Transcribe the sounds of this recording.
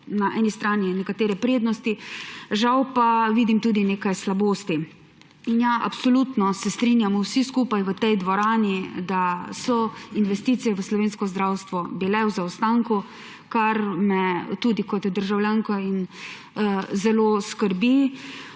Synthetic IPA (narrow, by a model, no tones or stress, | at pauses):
naʔɛːnist̪ɾaːninɛkat̪eːɾɛpɾeːd̪nɔst̪iʒawpaʋiːd̪imt̪uːd̪ineːkajslaboːst̪i | injaʔa̰psɔlut̪nɔsɛst̪ɾinjamwsiskuːpajʋət̪ɛjd̪ʋɔɾaːnid̪asɔinʋɛst̪iːt̪sijɛʋəslɔʋeːnskɔzd̪ɾawst̪ʋɔbilɛwzawst̪aŋku | kaɾmɛt̪uːd̪ikɔt̪d̪əɾʒawljaːŋkɔin | zɛloːskəɾbi